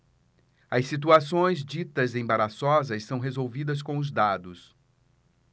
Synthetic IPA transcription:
ɐssit̪̬uasõj̃zd͡ʒit̪ɐzẽbaɾasɔzɐssɐ̃w̃ɦezowvid̪ɐs̬kõʊzd̪ad̪ʊs

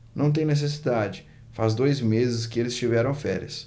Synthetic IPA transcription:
nɐ̃w̃t̪ẽj̃nes̬es̬id̪ad͡ʒɪ | fazd̪ojzmezɪskɪelɪst͡ʃivɛɾɐ̃w̃fɛ̰ɾjɐs

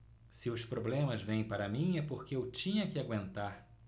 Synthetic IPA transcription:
sɪʊspɾoblẽmɐzvẽj̃paɾɐmĩɛpoɾkɪewt͡ʃĩɲɐkɪaɡwẽnt̪aɾ

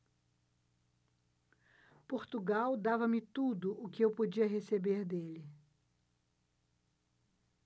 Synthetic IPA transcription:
poɾt̪uɡawd̪avɐmɪt̪ud̪ʊʔʊkɪewpod͡ʒiɐɦesebeɾd̪elɪ

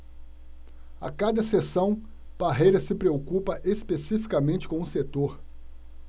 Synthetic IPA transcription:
a̰kad̪ɐsesɐ̃w̃ | b̥aɦejɾɐsɪpɾeokupɐʔespesifi̥kamẽnt͡ʃɪ̥kõʊset̪oɾ

